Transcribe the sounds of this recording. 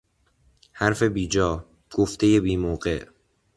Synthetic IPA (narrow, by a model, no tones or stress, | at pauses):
hæɾfe̞biːd͡ʒɒː | ɡ̥oft̪e̞je̞biːmoːɢe̞ʔ